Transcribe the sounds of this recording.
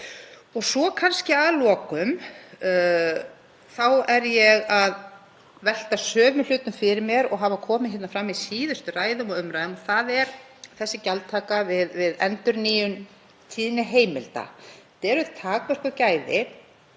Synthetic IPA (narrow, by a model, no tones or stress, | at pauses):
ɔɣsɔkʰanscɪaðlɔːkʏm | θawɛɾjɛɣað | vɛl̥t̪asœːvɪl̥ʏːt̪ʏmfɪɾɪɾmjɛɾɔɣɦaːvakʰɔːmɪçɛt̪nafɾamːisiːðʏst̪ʏraːjðʏmɔɣʏmɾajðʏmɔθaðɛɾ | θɛsːɪcaltt̪ʰaːkavɪðvɪðɛnt̪ʏɾniːjʏn | t̪ʰiːðɪnɪɦeːjmɪlt̪a̰t̪ɛɾʏðt̪ʰaːkvɛr̥kʏcaːjðɪ̰